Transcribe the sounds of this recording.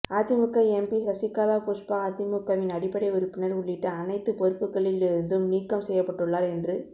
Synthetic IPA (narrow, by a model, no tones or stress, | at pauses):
aːt̪ːɪmɯkːɐɛmpisɐsɪkːaːlaːpoːʂpaaːt̪ɪmʊkːɐʋɪnɐɽɪpːɐɽɐɪʊɾɯpːɪnɐɾʊɭːɪʈːɐɐnɐɪt̪ːɯpɔɾɯpːɯkːɐɭɪlɪɾɯnd̪ɯmniːkːɐmsɛjːɐpːɐʈːɯɭːaːɾɛndrɯ